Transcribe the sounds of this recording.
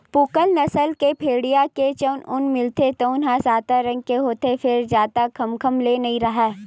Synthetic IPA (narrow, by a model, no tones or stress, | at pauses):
pukəlnɐsəlkepʰeːɽijaket͡ʃənʊnmɪlt̪et̪əʊnɦãsaːt̪aɾɐ̃ŋɡ̚keɦoːt̪efʰɪɾd͡ʒaːt̪akʰɐmkʰəmlenɐɦĩɾɐɦaː